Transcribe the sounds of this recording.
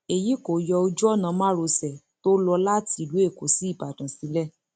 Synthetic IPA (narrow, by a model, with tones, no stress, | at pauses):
e˨ji˨˦ko˨jɔ˧o˧d͡ʒu˦ɔ˦˨nã˧mã˦ɾo˧sɛ˨ | to˦lɔ˧la˦ti˨˧˦lu˨˦e˦˨ko˨si˨˦i˦˨ba˨dã˨si˨˦lɛ˦˨